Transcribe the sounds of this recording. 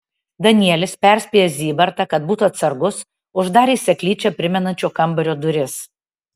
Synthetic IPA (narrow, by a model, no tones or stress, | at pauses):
d̪ɐnʲɪɛlʲɪspʲɛˑɾʲsʲpʲiːjɛzʲiːbɐɾt̪ɐkɐt̪̚buːt̪ʊɐt̪sɐɾɡʊs | ʊʒd̪ɑːɾʲiːsʲɛklʲiːt͡ʃʲɛpʲɾʲɪmʲɛnɐnʲt͡ʃʲoːkɐmbɐɾʲoːd̪ʊɾʲɪs